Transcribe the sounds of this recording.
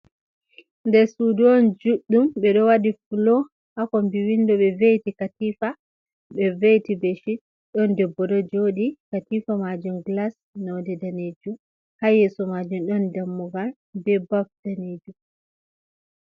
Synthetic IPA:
ndɛɾsudɔnd͡ʒuɗːumɓɛɗɔwadifulɔ | hakɔmbiwindɔɓɛvejtikatiːfa | ɓɛvejtibɛʃi | ɗɔndɛbːɔdɔd͡ʒoɗikatifamad͡ʒumɡlas | nɔdɛdaneːd͡ʒum | hajɛsɔmad͡ʒumɗɔndamːuɡal | bɛbaftaneːd͡ʒum

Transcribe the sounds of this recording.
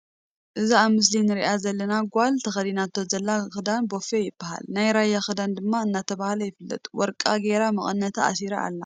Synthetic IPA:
ʔɨzaaβmɨs̬linɨɾiʔazɐlːɐnaɡʷalt̪ʰɐxɐlinat̪ʰːozɐlːaxɨd̪anbo̞fejɪbːɐha̰lnajɾajːaxɨd̪and̪ɨmːaɨnːat̪ʰɐβahlɐjɪfɨlːɐ̰t̪ʼuwɔɾkʼaɡeɾamɨkʼɨnːɐt̪ʰaa̰siɾaa̰lːa

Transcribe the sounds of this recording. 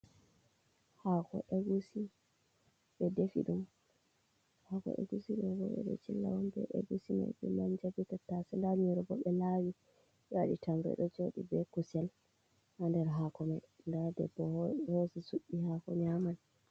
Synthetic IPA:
hakɔ̰ʔɛɡusi | ɓɛdefḭɗum | hakɔ̰ʔɛ̰ɡusiɗɛɡɔ̰ɛ̰ɗɛ̰t͡ʃilːa̰wɔmbɛ̰ʔeɡusima̰jbɛ̰maɲd͡ʒabitatːasɛndaɲuɾɔbɔɓɛlawi | jaɗitʰambɛ̰ɗɔd͡ʒoɗḭbɛkusɛl | handɛɾɦakɔmaj | ndadɛ̰bːɔhɔsɛsuɓːihakɔɲaman

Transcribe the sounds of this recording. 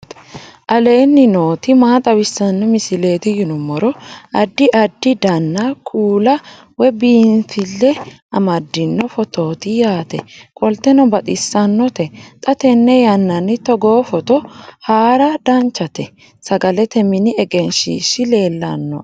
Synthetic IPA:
t̪ | ʔɐle̞ːnːɪno̞ːt̪ɪmaːt̪ʼɐwɪsːɐnːɔmɪsɪle̞ːt̪ɪjɪnʊmːɔɾɔɐd̪ːɪʔɐd̪ːɪd̪ɐnːɐkʰuːlɐ | wɛbiːnfɪlːɛ | ɐmɐd̪ːɪnːɔfɔt̪oːt̪ɪjaːt̪ɛ̰kʼɔlt̪ɛnɔbɐt̪ʼɪsːɐnːɔt̪ɛt̪ʼɐt̪ɛnːɛjɐnːɐnːɪt̪ɔɡoːfɔt̪ɔhaːɾɐd̪̥ɐnt͡ʃːɐt̪ɛ | sɐɡɐlɛt̪ɛmɪnɪɛɡɛnʃḭːʃɪle̞ːlːɐ̰nːɔ̰

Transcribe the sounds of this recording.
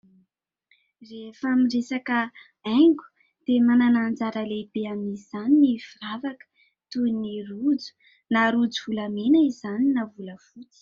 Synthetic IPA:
refamiresakə | ɛŋɡʲu̥ | d̪̥emananand͡zaɾəlebeamiz̥aninifiravakə̥ | t̪unirud͡zu̥ | naɾud͡zuvulamenaizaninavuləfut͡si̥

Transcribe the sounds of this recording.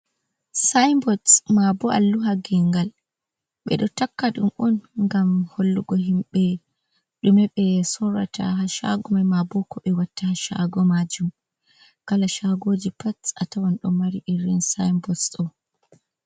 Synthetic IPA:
sajmbɔsmabɔa̰lːuɦaɡɛŋɡal | ɓɛ̰ɗɔtakːaɗumʔɔnŋɡamholːuɡɔɦimɓɛ | ɗumɛɓɛsɔra̰ta̰ɦaʃa̰ɡɔmamabɔkɔɓɛwatːahaʃa̰ɡɔmad͡ʒum | kalaʃaɡod͡ʒipatsatawanɗɔmaɾiʔiɾːinsa̰jmbɔsɔ

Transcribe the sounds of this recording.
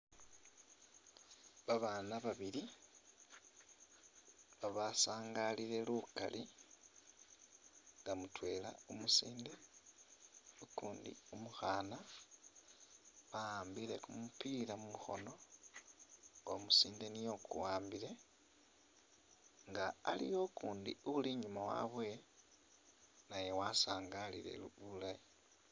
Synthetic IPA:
βaβaːnaβaβili | βaβasaːŋɡaliɾe̞luka̰lʔi | ŋɡamutwe̞ːla̰omusiːnde̞ | ukuːndḭumuxaːna | βaaːmbile̞kumupilamumuxo̞̰no̞ | omusiːnde̞nijo̞kṵwaːmbile̞ | ŋɡaːlḭjo̞kʰuːndḭuβuliɲumawa̰βwe̞ | naje̞wasaːŋɡalile̞̰luululai

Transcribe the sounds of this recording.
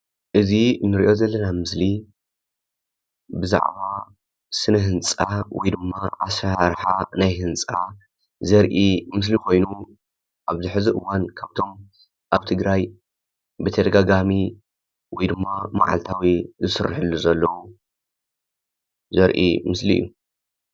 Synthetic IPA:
ʔɨzinɨɾiʔo̞zɐlːɐnamɨsli | bɨza̰ʕβa | sɨnɐɦɨnt͡sʼawɔjd̪ɨmːaʔasaɾħanajɦɨnt͡sʼa | zɐɾʔimɨs̬likʰo̞jnu | ʔaβzɨħɨziʔɨwankʰaβt̪ʰo̞m | ʔaβt̪ʰɨɡɾaj | bɨt̪ʰɐd̪ɐɡaɡami | wɔjd̪ɨmːama̰ʕa̰lt̪ʰawizɨsɨrːħɨlːuzɐlːɐwu | zɐɾʔḭmɨslḭjːu

